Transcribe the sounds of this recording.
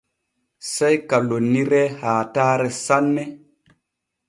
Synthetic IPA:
sejkalonːiɾɛhaːtaɾɛsanːɛ

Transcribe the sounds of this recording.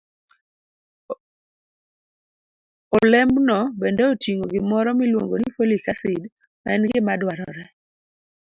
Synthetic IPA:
olɛmbnɔbɛndɛotiŋoɡɪmɔɾɔmilwoŋɡonifolikasɪd | ma̰ɛnɡɪmadwaɾɔ̰ɾɛ

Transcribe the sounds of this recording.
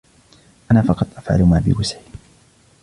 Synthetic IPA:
ʔanaːfɑqɑt̪ˤʔafʕa̰lmaːbɪ̰wasʕɪ

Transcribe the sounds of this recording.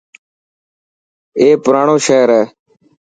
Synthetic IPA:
eːpʊɾaːɳõːʃeːɾɛː

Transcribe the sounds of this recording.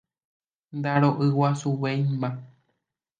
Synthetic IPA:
nd̪aɾoʔɨwasuwejmã

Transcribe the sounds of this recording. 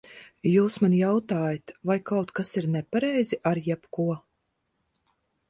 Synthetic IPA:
juːsmanjawt̪aːjat̪vajkawt̪kasiɾnɛpaɾɛjziʔaɾjɛpkuɔ

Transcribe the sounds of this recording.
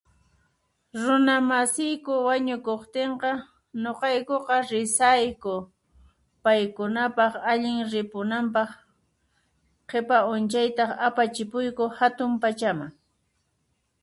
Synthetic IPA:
ɾʊnamasɪjkʊwaɲʊkoχt̪eɴqɑ | noqɑjkoqɑɾɪsajkʊ | pajkʊnapɑχaʎɪŋɾɪpʊnampɑχ | qʰepaʊnt͡ʃajt̪ɑapat͡ʃɪpʊjkʊhat̪ʊmpat͡ʃamaŋ

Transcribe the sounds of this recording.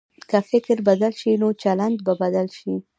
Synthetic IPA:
kafɪkɾbad̪alʃinot͡ʃaland̪babad̪alʃi

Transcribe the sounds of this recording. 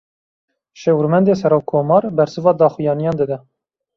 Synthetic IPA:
ʃewuɾmɛnd̪eːsɛɾoːwkʰoːmɑːɾbɛɾsɨvɑːd̪ɑːxujɑːnijɑːnd̪ɨd̪ɛ

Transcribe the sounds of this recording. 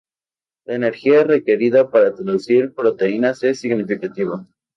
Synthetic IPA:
laene̞ɾxiaere̞ke̞ɾiðapaɾat̪ɾaðusiɾpɾo̞t̪e̞inasesiɣnifikat̪iβa

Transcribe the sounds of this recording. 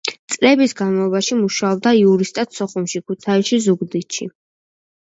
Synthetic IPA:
t̪sʼlɛbisɡanmaɔbaʃimuʃaɔb̚d̪aiuɾist̪ʼat̪sɔχumʃikʰut̪ʰaiʃizuɡd̪it̪ʃḭ

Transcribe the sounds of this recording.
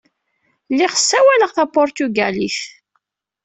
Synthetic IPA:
lːiʁə̥sːæwæləʁθæpʊɾt̪uɡæliθ

